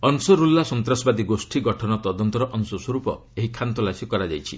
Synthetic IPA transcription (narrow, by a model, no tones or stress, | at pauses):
ɔnsɔɾulːasɔnt̪ɾasɔbad̪iɡosʈʰiɡɔʈʰɔnɔt̪ɔd̪ɔnt̪ɔɾɔʔɔnsɔswɔɾupɔ̰ | eɦikʰant̪ɔlasjɔkɔɾad͡ʒajt͡ʃʰḭ